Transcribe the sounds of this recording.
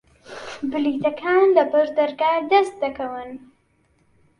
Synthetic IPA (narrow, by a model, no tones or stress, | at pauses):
bɨlit̪ɐkʰanlɐbɐʒd̪ɐɾɡaːd̪ɐst̪̚d̪ɐkɐwɨn